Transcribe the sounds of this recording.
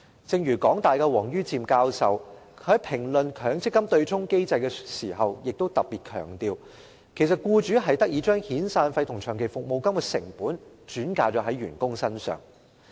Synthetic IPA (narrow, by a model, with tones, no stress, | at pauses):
t͡sɪ˧ŋɥyː˨˩kɔː˨˥ŋt̪aː˨jkɛː˧wɔː˨˩ŋjyː˥t͡siː˧mkaː˧wsɐ˨whɐ˨˥jpʰɪ˨˩ŋlɵ˨nkʰœː˨˥ŋt͡sɪ˥kːɐ˥mt̪ɵ˧ɥt͡sʰʊ˥ŋke˥jt͡sɐ˧jkɛː˧siː˨˩ɦɐ˨wjɪ˨k̚t̪o˥wt̪ɐ˨p̚piː˨t̚kʰœ̰ː˨˩ŋt̪iː˨˧w | kʰe˨˩js̬ɐ˨t̚kuː˧t͡ʃyː˨˥ɦɐ˨jt̪ɐ˥k̚jiː˨˧t͡ʃœː˥ŋhiː˨˥nsaː˧nfɐ˧jt̪ʰʊ˨˩ŋt͡ʃʰœː˨˩ŋkʰe˨˩jfʊ˨k̚mo˨wkɐ˥mkɛ˧sɪ̰˨˩ŋpuː˨˥nt͡ʃyː˨˥nkaː˧t͡sɔː˨˥ɦɐ˨˥jɥyː˨˩nkʊ˥ŋsɐ˥nsœ̰ː˨ŋ